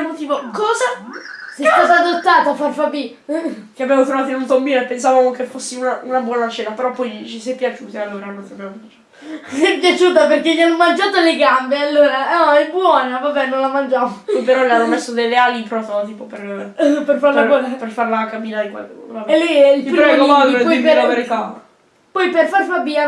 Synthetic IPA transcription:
mot̪iːvokɔːzasɛst̪at̪aːd̪ot̪ːaːt̪afːarfabi | keabjamot̪ɾovaːt̪oinunt̪ombiːnoepːensavamokefosːiunaʔunabwɔːnat͡ʃeːnapeɾɔpːɔjit͡ʃisɛjpːjat͡ʃuːt̪ialːoːɾanont̪iabjamopat͡ʃasɛpjat͡ʃuːt̪aperkelianːomand͡ʒaːt̪oleɡambealːoːɾaaɛbwɔːnavabɛnːõnlamand͡ʒaːmopɔjpeɾɔleanːomesːod̪ejlːealipɾɔt̪t̪iːpoperperfaɾlaɔperfarlakamiːnad̪ikwa̰laelːiɛilipɾpɾɡoad̪ɾepɔieɾaveɾit̪a | pɔjperfarfabiːa

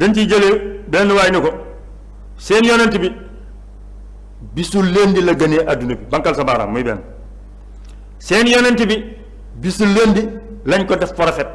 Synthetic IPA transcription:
dɐnt͡ʃid͡ʒɐlebɛːnːuwaːjnikɔ | sɛːnjɔːnɐntibi | bisulendilɐɡɐnɛːʔɐdunɐbibɐŋkɐlsɐbaːɾa̰mmujbɛ̰ːn | sɛːnjɔːnɐntibi | bisuleːndilɐɲkɔdɐffɔɾɐfɛt̚

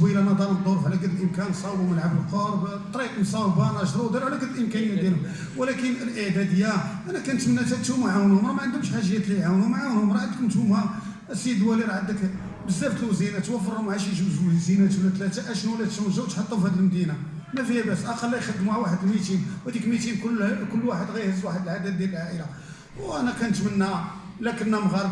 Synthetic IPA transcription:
wilænɑd̪ˤɑləd̪ˤːoɾˤfʕlæɡəd̪əlʔəmkænsˤɑbuməlʕabəlqɑɾˤbt̪ˤɾiqnsˤɑwbɑnɑʃd̪ˤɾud̪iɾʕlæɡəd̪əlʔəmkænəjːæd̪jælhʊm | wlækənəlʔəʕd̪æd̪əjːæʔænækænət̪mənːæt̪æt̪humaʕawnhʊmɾˤɑmæʕənd̪əmʃħaʒəjːæt̪liʕawnhʊmʕawnhʊmɾˤɑʕənd̪əknt̪humhæ | siəd̪wæliɾʕəd̪ək | bəzːæbt̪əlwzinæt̪wæfəɾhʊmʕaʃjʒəbʒuzinæt̪wlæt̪læt̪æʔæʃnuwlæd̪t̪ːæwəʒæwt̪ħɑt̪ˤːufhæd̪əlmd̪ina | mæfijæbæsʔɑqɑlːæjxəd̪ːmuʕawaħəd̪əlmit̪inwhæd̪ikmit̪inkʊlkʊlːwaħəd̪ɣæjhəzːwaħəd̪əlʕad̪æd̪d̪jæləlʕaʔəla | wʔænækænt̪mənːælækənːæmɣɑɾˤ

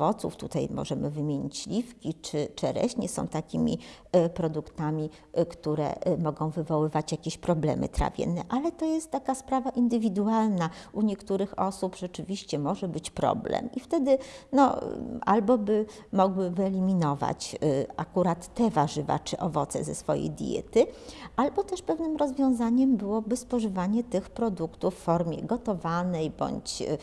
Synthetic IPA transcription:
ɔt̪sṵft̪ut̪ajmɔ̰ʐɛmɘvɘmʲjeɲit͡ɕlʲifkʲit͡ʂɘt͡ʂɘɾɛ̰ɕɲɛsɔ̰̃w̃t̪akʲimʲḭ | pɾɔd̪ukt̪amʲi | kt̪uɾɛ̰mɔɡɔ̃w̃vɘvɔwɘvat͡ɕjakʲeɕpɾɔblɛ̰mɘ̰t̪ɾa̰vʲjɛ̰nːɛʔalɛt̪ɔjɛst̪ːakaspɾavaʔind̪ɘvʲid̪ualnaʔuɲɛkt̪uɾɘxɔsupʐɛt͡ʂɘvʲiɕt͡ɕɛmɔʐɛbɘt͡ɕpɾɔ̰blɛ̰mift̪ɛd̪ɘnɔ̰a̰lbɔbɘ | mɔɡwɘvɘɛlʲimʲinɔva̰t͡ɕʔakuɾat̪ːɛvaʐɘva̰t͡ʂɘʔɔvɔt̪sɛ̰zɛsfɔ̰jḛjd̪ʲjɛ̰t̪ɘʔalbɔt̪ɛʂpɛvnɘmɾɔzvʲjɔ̃w̃zaɲɛmbɘwɔbɘspɔʐɘvaɲɛt̪ɘxpɾɔd̪ukt̪ufːɔɾmʲjɛ̰ɡɔt̪ɔvanɛjbɔ̰ɲt͡ɕ

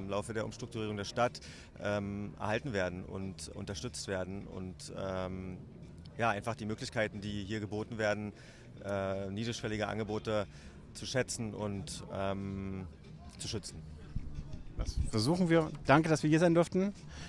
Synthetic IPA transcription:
ɪmlaʊfədeːɐʊ̰mʃtʁ̥ʊktuʁ̞iːʁ̞ʊŋdeːɐʃtat | ʔɛːmʔɛ̰ɐhaltn̩veːɐdn̩ʊ̰ntʔʊ̰ntɐʃtʏt͡stv̥eːɐdn̩ʊ̰ntɛm | jaːʔaɪnfaχd̥iːmøːklɪçkʰaɪtn̩diːɦiːɐɡəboːtn̩veːɐdn̩ | ʔɛːniːdʁɪʃv̥ɛlɪɡəʔa̰nɡəboːtə | t͡suʃɛt͡sn̩ʊ̰ntʔɛːm | t͡suʃʏt͡sn̩ | dasfɛɐzuːχn̩viːɐd̥aŋkədasviːɐhiːɐzaɪndʏɐftn̩

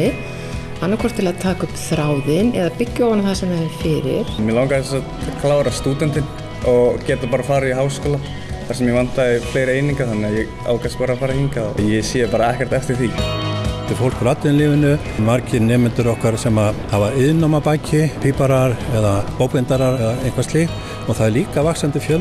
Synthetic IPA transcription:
ɪ | hanːakʰɔr̥t̪ʰːɪlaðt̪ʰaːkʏpθɾaːwðɪnɛðapɪcːʏɔwvanaθasɛmaɾfɪːɾɪ̰ɾ̥mjɛlawŋkaðɪsɛsat̪kʰlaːwɾast̪uːt̪ɛnt̪ɪn | ɔɣcɛːt̪apaːɾafaːɾaiɦaːwskɔːla | aɾsɛmjɛvan̥t̪aɪfleːjɾejniŋkaθanːɪajɛɣ | a̰wkaspaːɾafaːɾahiŋkaɔjɛsɛːjapaːɾaɛhkcɛɾ̥t̪ɛft̪ɪɾ̥θi | t̪ɪfowl̥kɾat̪lɪɪnlɪːvɪnʏ | maɾcɪnɛːmɪnt̪ʏɾɔhkaɾsɛmahavaɪðnamapajcɪpʰiːpaɾaɾɛðapoːwkvɪnt̪aɾaɾɛðaejŋkʰvast̪lɪɣ | ɔɣθaðɛɾliːkavaksant̪ɪfjœl

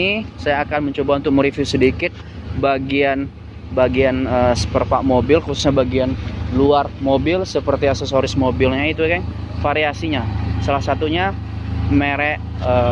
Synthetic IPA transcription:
isajaːkanməɲt͡ʃobaunt̪ʊk̚muɾifusədikɪt̪̚ | baɡian | baɡianəsə̥pərpaʔmobɪlkususɲabaɡianluarmobɪlsəpərt̪iasɛsoɾɪsmobɪlɲait̪ukan | faɾiasiɲasalahsat̪uɲa | meɾɛʔ | ə

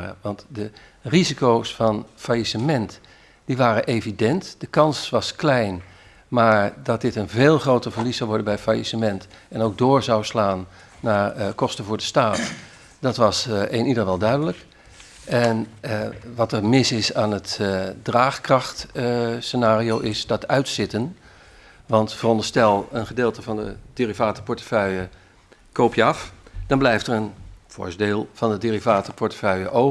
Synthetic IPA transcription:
ə̰ʋɑntdə | rizikowsfɑnfajisəmɛnt | d̥iʋaːɾəʔeːvidɛntd̥əkɑnsʋɑsklɛjn | maːɹdɔt̚dɪtənveːlˠχrowtəvərlisawʋɔɹdəbɛjfajisəmɛnt | ɛnoːɡ̚doːɹzawslaːnː | akɔstəvʊːɹdəstaːt | d̥ɔtʋɑseːnidərʋɛlˠdœɥdələk | ʔɛn | ʋɑtərmɪsɪsaːnətdraːχkrɑxtsənaːriowʔɪsdɑtœɥtsɪtən | ʋɑntfərɔndəstɛlˠənχədeːlˠtəvɑndəd̥irivaːtəpɔɹtə̥fœɥə | kowpjəɑfd̥ɑnblɛjftərənv̥ʊ̰ɹsdeːlˠvɑndədirivaːtəpʰɔɹtə̥fœɥəʔo

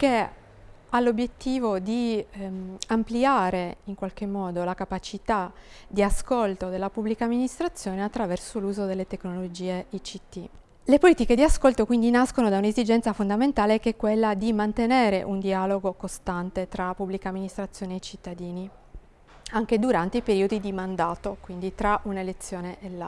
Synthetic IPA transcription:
ke | alːobjet̪ːiːvod̪i | ampliaːɾeiŋkwalk̟emːɔːd̪olakapat͡ʃit̪ad̪iaskolt̪od̪elːapubːlikaːmːinist̪ɾat̪sːjoːneat̪ːɾavɛrsoluːzod̪elːet̪eknolod͡ʒiːeit͡ʃit̪ːi | lepoliːt̪iked̪iaskolt̪okwind̪inaskonod̪aunezid͡ʒɛnt̪safond̪ament̪aːlekɛkːwelːad̪imant̪eneːɾeʔund̪ialoɡokost̪ant̪et̪ɾapubːlikaːmːinist̪ɾat̪sːjoːneejt͡ʃit̪ːad̪iːni | aŋk̟ed̪uɾant̪eipeɾiːod̪id̪imand̪aːt̪okwind̪it̪ɾaʔunelet̪sːjoːneʔela

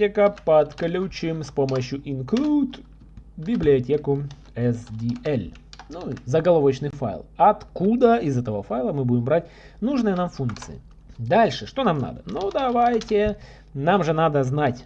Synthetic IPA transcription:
ekəpɐt̪klʲut͡ɕɪmspo̞məɕjʊʔɪnkɾʲut̪ | bʲɪblʲɪɐtʲekʊ | ɛsdʲiɛlʲ | nuzəɡɐlˠovət͡ɕnɨjfa̰jlˠɐt̪kud̪əɪzɛt̪əvəfajlˠəmɨbudʲɪmbɾat̚ʲ | nuʐnɨjənamfunk̚t̪sɨ̰ɪ̰ | d̪alʲʂɨʂt̪o̞namna̰d̪ə̰nud̪ɐvajtʲɪ | namʐɨnad̪əznatʲ

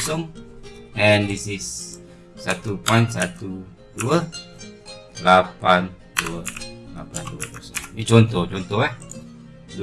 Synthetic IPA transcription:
sɔŋ | ɛ̃ndisisː | at̪upɔ̃jntsat̪u | duə | lapan | duəla̰panduə̰pɔsɔ̰ŋjit͡ʃɔnt̪ɔht͡ʃɔnt̪ɔha | d

